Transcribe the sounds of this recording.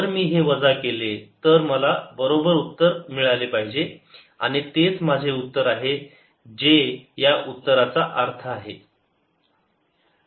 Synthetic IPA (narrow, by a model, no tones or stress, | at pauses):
əɾmiːɦeʋəd͡zakelet̪əɾməlabəɾobəɾut̪ːəɾmiɭalepaɦid͡ʑe | a̰ɽ̃it̪et͡sm̤ad͡ʑʱeut̪ːəɾaɦe | d͡ʑejaʔut̪ːəɾat͡saʔaɾt̪ʰəaɦe